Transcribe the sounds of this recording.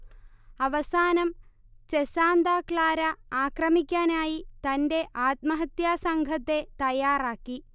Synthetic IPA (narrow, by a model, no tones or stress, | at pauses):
ɐʋɐsaːnɐm | t͡ɕesaːnd̪aːkɭaːɾɐaːkrɐmikʲːaːnaːjit̪ɐnde̞ʔaːt̪̚mɐɦɐt̪jaːsɐŋɡʱɐt̪ːe̞t̪ɐjaːraːkːi